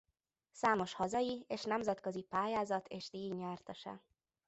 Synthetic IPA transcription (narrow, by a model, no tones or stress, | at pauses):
saːmo̞ʃhɒzɒjieːʃnɛmzɛt̪kø̞zipaːjaːzɒt̪ʰeːʃd̪iːɲːaːrt̪ɒʃɛ̰